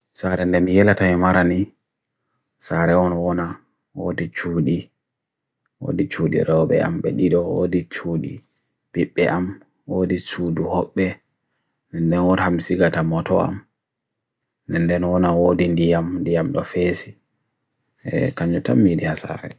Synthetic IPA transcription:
saɾɛndɛmijɛlatanimaɾani | saɾɛwɔnɔwɔna | wodit͡ʃuːɗi | wo̰dit͡ʃuːɗḭɾɛwɓɛ̰a̰mɓɛ̰ɗiɗɔwo̰dit͡ʃuːɗḭ | b̥iɓːɛʔam | wodisuːduhɔɓːɛ | nɛndɛnwɔɾhamsiɡatamɔtɔa̰m | nɛndɛnwɔnawodindijamndijamɗɔfesi | ɛ̰kaɲd͡ʒɔta̰mːidihasa̰ɾɛ̰

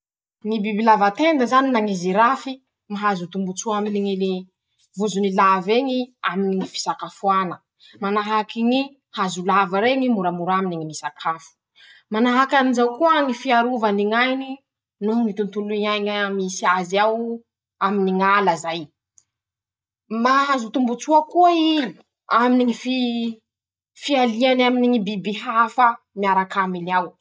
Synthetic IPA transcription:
ŋibibilavat̪end̪əzaninaŋiziɾafi | maɦazut̪umbut͡suaminiŋili | vuzunilaveŋiaminiŋifi̥sakafuanə | manaɦakiɲi | hazulavaɾeŋimuɾamuɾaminiŋimisakʰafu̥ | manaɦakanizawkuəŋifiaɾuvaniŋajni | nuŋit̪unt̪uluiɲajŋaamisiazaw | aminiŋaləzaj | maɦazut̪umbut͡suakuai | aminiŋifi | fialianaminiŋibibiɦafa | miaɾakaminiaw

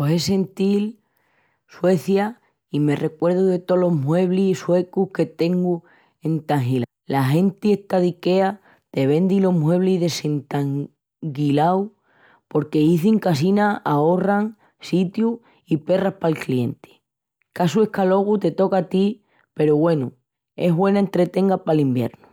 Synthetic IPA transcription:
ose̞se̞nt̪il | swe̞θja | ime̞re̞kwe̞ɾðuðe̞t̪o̞lo̞mwe̞β̞liswe̞kuhke̞t̪e̞ŋɡu | e̞nt̪aŋɦila | laɦe̞nt̪ieht̪aðike̞a | t̪e̞β̞ẽ̞nd̪ilo̞mwe̞β̞liðe̞se̞nt̪aŋ | ɡilaw | po̞ɾke̞iθiŋkasinaao̞raŋ | sit̪ju | ipe̞rapalklie̞nt̪e̥ | kasue̞hkalo̞ɣ̞ut̪e̞t̪o̞kat̪i | pe̞ɾuβwe̞nu | e̞ɦβwe̞naent̪ɾe̞t̪e̞ŋɡapalimbje̞̰ɾnu

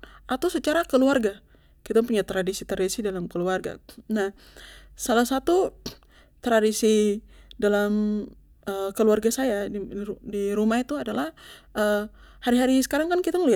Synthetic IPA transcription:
at̪awsət͡ʃaɾakəluarɡa | kit̪ampuɲat̪ɾadisit̪ɾadisidalamkəluarɡa̰nah | salahsat̪u | t̪ɾadisidalam | əkəluarɡasajadiudiɾumait̪uadalahʔəhaɾiɦaɾisə̥kaɾaŋkankit̪aməliat̪̚

